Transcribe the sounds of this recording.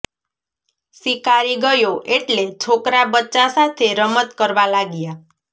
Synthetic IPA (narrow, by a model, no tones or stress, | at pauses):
sikaɾiɡəjoʔeʈlet͡ʃʰokɾabətːt͡ʃasat̪ʰeɾəmət̪kəɾʋalaɡja